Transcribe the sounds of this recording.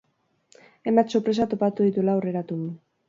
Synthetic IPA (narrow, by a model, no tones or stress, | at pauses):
e̞mat̪soɾpɾe̞s̬at̪o̞pat̪uðit̪ulaore̞ɾat̪un